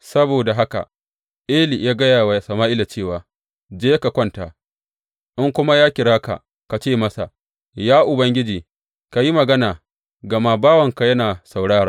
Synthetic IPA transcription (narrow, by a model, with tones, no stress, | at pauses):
sɐ˦boː˨da˨ɦa˦ka̰˨ | ʔeː˦li˨jaː˦ɡɐ˦jaː˨wa˨sɐ˨maː˦ʔɪ˦la˨t͡ʃeː˦˨waː˨ | d͡ʒeː˦ka˨kʷɐ˦ntaː˨ | ʔɪ˦ŋkʷʊ˦ma˦jaː˦kʲɪ˨ɽaː˦ka̰˨ | ka˨t͡ʃeː˦˨mɐ˦sa̰˨ | jaː˦ʔʊ˨bɐ˦ŋɡʲɪ˦d͡ʒiː˨ | ka˨ji˦mɐ˨ɡɐ˦naː˨ | ɡɐ˨maː˦baː˦wɐ˨ŋka˨jɐ˦naː˨sa˨wɽaː˦ɾaː˦